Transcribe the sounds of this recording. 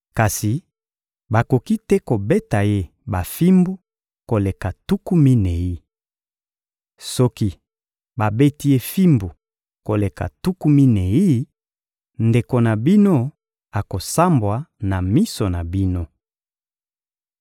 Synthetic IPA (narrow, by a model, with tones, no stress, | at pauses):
ka˨si˨ | ba˨ko˨ki˦tɛ˦ko˨be˦ta˨je˦ | ba˨fi˦mbu˦ | ko˨le˨ka˨tu˦ku˦mi˦ne˨ji˦ | sɔ˦ki˦ | ba˨be˦ti˦je˦fi˦mbu˨ | ko˨le˨ka̰˨tu˦ku˦mi˦ne˨i˦ | nde˨ko˨na˨bi˦no˦ | a˨ko˨sa˦mbwa˨na˨mi˦so˨na˨bi˦no˦